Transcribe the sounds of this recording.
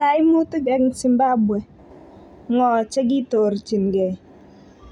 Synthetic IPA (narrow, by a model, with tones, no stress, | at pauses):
a˦jmu˦ti˦ɡɛ˨˦kŋ˨si˨mba˦bwɛ˨ | ŋɔ˨t͡ʃɛ˦ɡɪ˦to˨ɾt͡ʃi˨nɡɛ˨